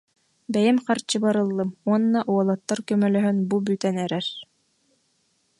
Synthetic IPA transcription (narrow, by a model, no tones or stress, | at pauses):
bɛjɛmqaɾt͡ɕɯbaɾɯlˠːɯmuɔnːaʔuɔlˠɔt̪ːaɾkœmœlœɦœnbubyt̪ɛnɛɾɛɾ